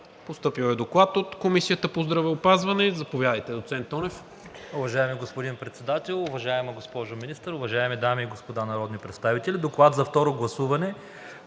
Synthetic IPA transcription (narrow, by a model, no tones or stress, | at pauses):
post̪ɤpiwɛd̪oklˠat̪ot̪komisijət̪əpozd̪ɾɐvɛopazvɐnɛzɐpovjad̪əjt̪ɛd̪ot̪sɛnt̪ɔnɛf | ʊvɐʒaɛmiɡospod̪inpɾɛt̪sɛd̪at̪ɛlˠʊvɐʒaɛmɐɡospɔʒominist̪əɾʊvɐʒaɛmid̪amiːɡospod̪anɐɾɔd̪nipɾɛt̪st̪avit̪ɛlʲid̪oklˠat̪zɐft̪ɔɾoɡlˠɐsuvɐnɛ